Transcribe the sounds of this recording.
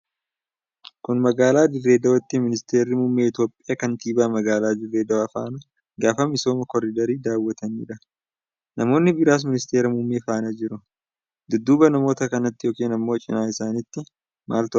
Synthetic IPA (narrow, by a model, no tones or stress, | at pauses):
kʊnmɐɡaːlaːd̪ɪrːe̞ːd̪ɐwɔt̪ːɪmɪnɪst̪e̞ːɾːɪmumːeːɪt̪jo̞ːpʼɪjaːkɐnt̪iːbaːmɐɡaːlaːd̪ɪrːe̞ːd̪ɐwɐfa̰ːnɐ | ɡaːfɐmɪso̞ːmɐkɔɾɪd̪ɐɾiːd̪aːwːɐt̪ɐnḭːᶑɐ | nɐmo̞ːnːɪbɪɾaːs̬mɪnɪst̪e̞ːɾɐmumːeːfaːnɐd͡ʒɪɾʊ | d̪ʊd̪ːʊbɐnɐmo̞ːt̪ɐkɐnɐt̪ːɪjoːkeːnɐmːo̞ːt͡ʃʼɪ̰naːɪsaːnɪt̪ːɪ | mʔa̰ːlt̪ʊ